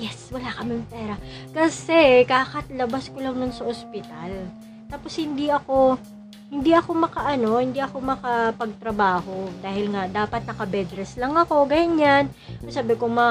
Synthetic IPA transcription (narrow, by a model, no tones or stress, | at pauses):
jɛswɐlaːkɐmɪmpɛːɾɐ | kɐsɛkaːkɐt̪lɐbaskolɐŋnʊnsɐʔospɪt̪al | t̪aːpo̞shɪnd̪iʔɐko̞ | hɪnd̪iʔɐko̞mɐkɐʔɐno̞hɪnd̪iʔɐko̞mɐkɐpɐɡ̚t̪ɾɐbaːho̞d̪aːhɪlŋad̪aːpɐt̪̚nɐkɐbɛd̪ɾɛslɐŋɐko̞ɡɐjɲan | ʔsaːbɪkomɐ